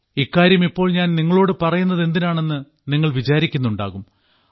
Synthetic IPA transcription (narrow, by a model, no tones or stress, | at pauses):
ikːaːɾjɐmipːo̞ːɭɲaːnniŋːɐɭo̞ːɽɨpɐrɐjunːɐðe̞nd̪inaːɳe̞nːɨ | niŋːɐɭʋit͡ɕaːɾikʲːunːuɳɖa̰ːɣum